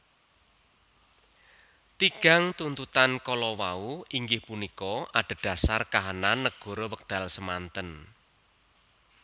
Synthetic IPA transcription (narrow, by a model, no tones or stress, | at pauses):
t̪iɡ̥a̤ŋt̪unt̪ut̪ankɔlɔwauiŋɡɪhpunikɔʔaɖ̥ə̤d̪̥a̤sarkaɦananːəɡ̥ɔ̤ɾowək̚d̪̥a̤lsəmant̪ən